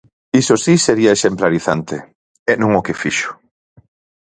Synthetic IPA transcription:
isosiseɾiɐeʃemplaɾiθant̪e | ɛnũŋokefiʃʊ̥

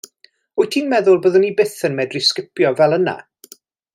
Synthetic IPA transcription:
ʊɨtʰiːnmɛðʊlˠboːðənːibɪθənmɛdriskɪpʰjɔvɛlˠəna̰

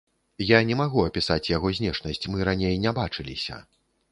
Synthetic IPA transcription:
janʲɛmaɣuɐpʲisat͡sʲjaɣɔzʲnʲɛʂnɐsʲt͡sʲmɨɾanʲejnʲɛbat͡ʂɨlʲḭsʲɐ̰

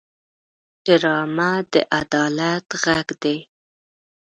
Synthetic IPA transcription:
d͡ʒəɾɑmad̪ə̰ʔad̪ɑlat̪ɣaɡd̪e

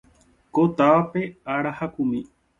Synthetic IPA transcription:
kot̪aʋapeaɽahakumĩ

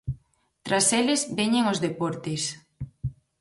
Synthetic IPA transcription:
t̪ɾaselezbeɲeŋozðepɔɾt̪es

